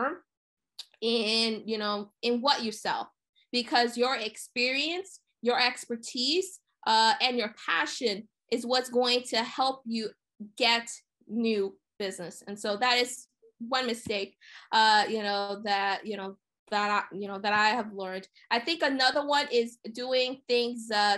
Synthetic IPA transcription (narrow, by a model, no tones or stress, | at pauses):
m | ɪ̃njɨnoʊɨ̃nwʌt͡ʃə˞sɛ̰lˠf | b̥ɨkʰʌzjə˞ɪkspɪɹiɨ̃ns | jə˞ɛkspə˞tʰiz̥ | ʔʌɨ̃njə˞pʰæ̰ʃɨ̃n | ʔɨzwʌtsɡ̥oʊɪ̃ŋtʰɨhɛlˠp̚jɨ | ɡɛt | nʉ | b̥ɪznɨsɨ̃nsoʊðɨɾɨz | wʌ̃nmɨsteɪk̚ʔʌjɨnoʊðɨtjɨnoʊ | ðəɾaɪjɨnoʊðɨɾaɪəvlɜ̃˞nd̥ | ʔaɪθɪ̃ŋkɨnʌðə˞wʌ̃nɪzduɪ̃ŋθɪ̃ŋzʌ